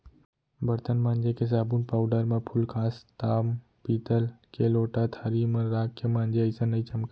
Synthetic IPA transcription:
bəɾt̪ənmãːnd͡ʒekes̬aːbuːnpaːwɖəɾmãpʰʊlkʰaːst̪aːm | piːt̪əlkeloːʈat̪ʰaːɾimə̃ɾaːɡ̚kemãːnd͡ʒeəjsãnɐit͡ʃəmk

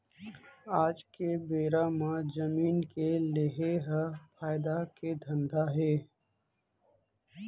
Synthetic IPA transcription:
aːd͡ʒkebeːɾamãzəmiːnkelɪɦeɦəpʰaːɪd̪aked̪ʱə̃nd̪ʱaɦeː

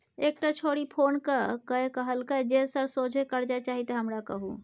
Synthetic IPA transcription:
ek̚ʈat͡ʃʰoɽipʰoːnkəkəekəɦəlkəd͡ʒesəɾsod͡ʒʱekəɾd͡ʒaet͡ʃaɦit̪əɦəmɾakə̰ɦṵ

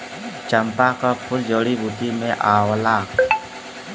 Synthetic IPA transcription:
t͡ʃəmpakapʰʊld͡ʒəːɽibuːt̪imẽʔaːwlaː

